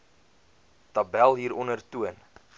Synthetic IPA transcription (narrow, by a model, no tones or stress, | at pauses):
tɐbælˠɦiːɾɔnərtuən